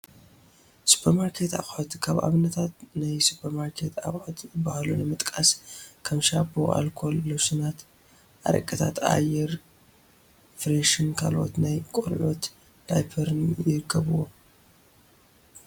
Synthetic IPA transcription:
su̥pʰɐɾmaɾkʰe̞t̪a̰xʼħot̪kʰaβʔa̰βɨnɐt̪ʰat̪najsupʰɐɾmaɾkʰet̪ʰa̰χʼħot̪ʰɨbahlunɨmɨt̪ʼkʼaskʰɐmʃaboʔa̰lkʰo̞lːɨβsunat̪ | ʔaɾɐ̰kʼːɐt̪ʰat̪a̰jɛɾ | fɾeʃinkʰalo̞̰t̪najkʼoɾʕot̪ | d̪̥ajpʰɐɾnjɪɾɨkʰːɐβɨwo

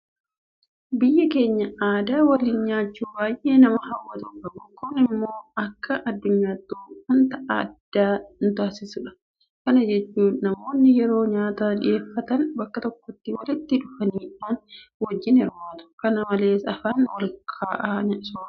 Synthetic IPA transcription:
bɪjːɐke̞ːɲːɐaːd̪aːwɐliːnɲaːt͡ʃːuːbaːjʔe̞ːnɐmɐhɐwːɐt̪ʊkɐmʊkʊnɪmːo̞ːɐkːɐʔɐd̪ːʊɲːaːd̪uːhʊnt̪ɐʔa̰d̪̥ːaːnt̪ʊaːsɪsʊᶑɐ̥ | kɐnɐd͡ʒɛt͡ʃːuːnnɐmo̞ːnːɪjɛɾo̞ːɲaːt̪aːᶑɪ̰ʔe̞ːfːɐt̪ɐnbɐkːɐt̪ɔkːɔt̪ːɪwɐlɪt̪ːɪᶑʊfɐniːᶑaːnwɐd͡ʒːɪnɪɾwaːt̪ʊ̥kɐnɐmɐle̞ːsɐfaːnwɐlkʰaːʔaːɲɐʔsu̥ː

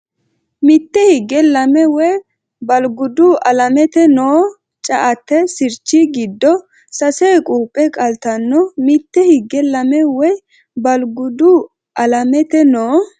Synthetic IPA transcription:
mɪt̪ːɛhɪɡɛlɐmɛwɔj | bɐlɡʊd̪ʊʔɐlɐmɛt̪ɛnoː | t͡ʃʼɐʔɐt̪ːɛsɪɾt͡ʃːɪɡɪd̪ːɔ | sɐseːkʼuːpʼːɛkʼɐlt̪ɐnːɔmɪt̪ːɛhɪɡːɛlɐmɛwɔj | bɐlɡʊd̪u | ʔɐlɐmɛt̪ɛnoː

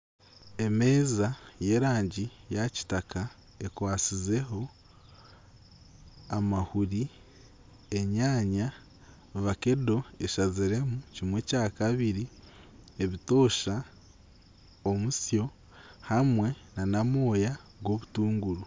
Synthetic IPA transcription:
e̞me̞ːzaje̞ːɾaːɲɟijaci̥taka | e̞kwaːt͡size̞ɦo̞ | amahuɾi | e̞ɲaːɲa | βake̞do̞e̞ʃaziɾe̞mucimwe̞ːcaːkaβiɾi | e̞βito̞ːʃa | omusjo̞ | hamwe̞nanamo̞ːja | ɡwo̞βutuːŋɡuɾu

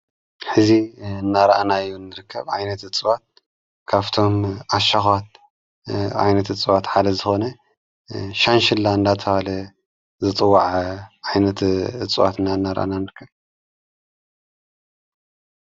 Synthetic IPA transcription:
ħɨziɨnːaɾɐʔanajunːɨɾɨkʰːɐβʕajnɐt̪ɨt͡sʼɨwat̪̚ | kʰaβt̪ʰo̞mʔaʃaxat̪ | ʕa̰jnɐt̪ɨt͡sʼɨwat̪ħad̪ɐzɨxo̞nɐ | ʃanʃɪlːaɨnd̪at̪ʰɐβalɐ | zɨt̪ʼɨwːaʕʕajnɐt̪ɨt͡sʼwa̰t̪ɨnːaɨnːaɾɐ̰ʔa̰nanɨɾɨkʰːɐβ

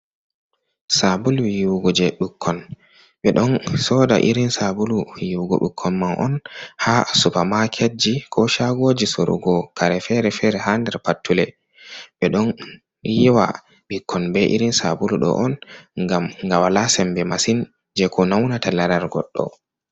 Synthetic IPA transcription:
sabuluwjuwɡɔd͡ʒɛɗukʰːɔn | ɓɛɗɔnsɔda̰ʔiɾinsabulujuwɡɔ̰ɗukʰːɔnmanʔɔ̰nhasupamakʰed͡ʒikʰɔʃaɡod͡ʒisoɾṵɡɔkʰaɾɛfɛɾɛfɛɾɛhandɛɾpatːulɛ | ɓɛɗɔn | jiwa̰ | ɓikʰːɔnbɛʔḭɾinsa̰buluɗɔ̰ʔɔnŋɡamŋɡawalasɛmbɛmasin | d͡ʒɛkʰɔnawnatalaɾaɾɡɔ̰ɗːɔ̰

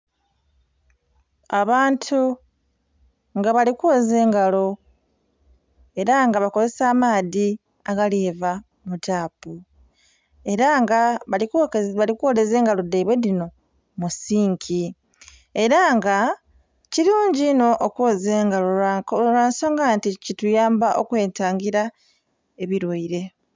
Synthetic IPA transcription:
aβaːntʰu | ŋɡaβalikwoːze̞ːŋɡalo̞ | e̞ɾaŋɡaβako̞ze̞saːmaːði | aɡaleːva | mutaːpu | e̞ɾaŋɡaβalikβalikuole̞ze̞ːŋɡalo̞dejβwe̞dino̞ | musiːŋkʰi | e̞ɾaŋɡa | ciɾuːɲɟino̞ʔːkwoːzeːŋɡaloaɾaːnso̞ːŋɡanticitujaːmbaʔo̞kwe̞ːntaːŋɡiɾa | e̞βiɾwaiɾe̞

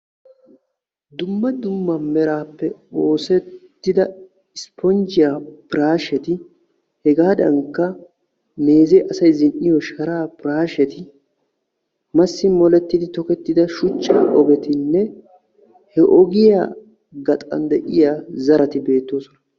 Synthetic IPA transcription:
d̪ʊmːɐd̪ʊmːɐmɛɾaːpːɛoːsɛttt̪ːɪd̪ɐ | ɪspɔnd͡ʒɪjapɪɾaːʃɛt̪ɪ | hɛɡaːd̪ɐŋkːɐ | me̞ːzɛʔɐsɐjzɪnʔɪjɔʃɐɾaːpɪɾaːʃɛt̪ɪ | mɐsːɪmɔlɛt̪ːɪd̪ɪt̪ɔkɛt̪ːɪd̪ɐʃʊt͡ʃːaːʔɔɡɛt̪ɪnːɛ | hɛʔɔɡɪja̰ː | ɡɐt̪ʼɐ̰nd̪ɛʔɪjaːzɐɾɐt̪ɪbe̞ːt̪ːo̞ːsɔnɐ

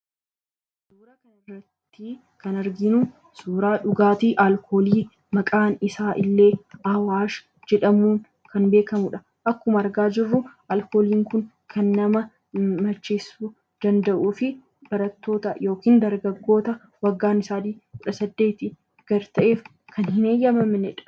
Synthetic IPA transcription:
suːɾɐkɐnɪrːɐt̪ːi | kɐnɐɾɡɪnu | suːɾaːᶑʊɡaːt̪iːʔalkʰo̞ːliː | mɐkʼaːnɪsaːʔɪlːe̞ːɐwaːʃ | d͡ʒɛᶑɐmuːn | kɐnbe̞ːkɐmʊᶑɐ | ʔɐkːʊmɐɐɾɡaːd͡ʒɪrːʊʔɐlko̞ːliːŋkʊn | kʰɐnːɐmɐ | mɐt͡ʃːeːsuː | d̪̥ɐnd̪ɐʔuːfɪ | b̥ɐɾɐt̪ːo̞ːt̪ɐjo̞ːkiːnd̪ɐɾɡɐɡːo̞ːt̪ɐ | wɐɡːaːnɪsaːd̪iːkʊᶑɐsɐd̪ːe̞ːt̪ɪ | ɡ̥ɐɾt̪ɐʔe̞ːf | kʰɐnhɪneːjːɐmɐmnɛᶑɐ̥

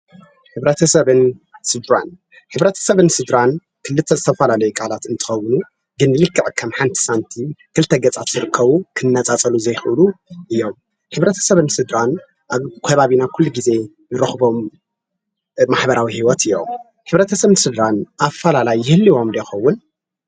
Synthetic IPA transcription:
ħɨβɾɐt̪ʰɐsɐβɨnsɨd̪ɾa̰n | ħɨβɾɐt̪ʰɐ̥sɐβɨnsɨd̪ɾan | kʰɨlːɨt̪ʰːɐzɨt̪ʰɐfɐlalɐjukʼalat̪ɨnt̪ʰɨ̥xɐwːɨnu | ɡɨnːɨlɨkʰːɐʔʼkʰɐmħant̪ʰi̥sant̪ʰikʰɨlt̪ʰːɐɡɐt͡sʼat̪zɨɾɨkʰːɐβukʰɨnːɐt͡sʼat͡sʼɐluzɐjxʔɨluʔɨjːo̞m | ħɨβɾɐt̪ʰɐ̥sɐβɨnsɨd̪ɾan | ʔaβkʰɐβaβinakʰulːuɡize̞ | nɨɾɐxbo̞m | maħbɐɾawihiwɔt̪ʰɨjːo̞̰m | ħɨβɾɐt̪ʰɐsɐβɨnsɨd̪ɾanʔafɐlalajːɪhɨlːiwo̞md̪ɐjxɐwːʊn

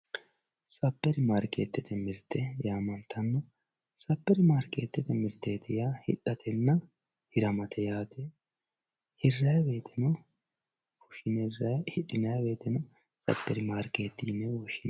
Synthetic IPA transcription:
sɐpːɛɾɪmaːɾkʼːeːt̪ːɪt̪ɛmɪɾt̪ʰːɛjaːmɐnt̪ʰɐnːɔ | sɐpːɛɾɪmaːɾkʼːeːt̪ːɪt̪ɛmɪɾt̪ːeːt̪ɪjaːhɪ̰ᶑɐt̪ɛnːɐ | hɪɾɐmɐt̪ɛjaːt̪ɛ | hɪrːɐjbe̞ːt̪ːɪnɔ | wʊʃɪnɛrhɪᶑɪnɐjbeːt̪ːɪnɔ | sɐ̰pːɛɾɪmaːɾkʼeːt̪ːiːnːɛwɔʃɪn

